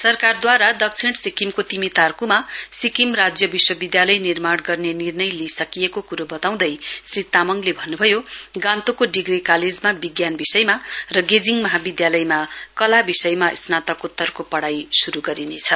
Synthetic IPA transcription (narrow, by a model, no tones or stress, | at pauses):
sʌrkard̪waɾad̪ʌk̚t͡sʰiɳsikimkot̪imit̪arkumasikimrad͡zjʌbiswʌbid̪jalʌjnirmaɽɡʌrnenirnʌjlisʌkijekokuɾobʌt̪aw̃d̪ʌjsrit̪amʌŋlebʱʌnːubʱʌjoɡãnt̪okoɖiɡrikaled͡zmabiɡjanbisʌjmarʌɡed͡ziŋmʌɦabid̪jalʌjmakʌlabisʌjmaʔsnat̪ʌkut̪ːʌrkopʌɽajsuɾuɡʌɾinet͡sʰʌ